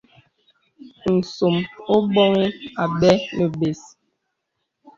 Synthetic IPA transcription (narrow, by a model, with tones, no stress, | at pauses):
n̩˨so˨mo˦bɔ˦ŋi˦a˨ɓɛ˦nə˨be˨s